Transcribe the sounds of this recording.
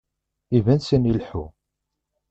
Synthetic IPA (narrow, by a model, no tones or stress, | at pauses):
ivænsænilħṵ